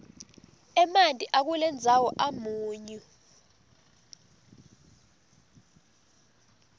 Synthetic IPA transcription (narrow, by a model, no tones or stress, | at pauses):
ɛmantʼiʔak̬ulɛnd͡zʱawɔʔamuːɲu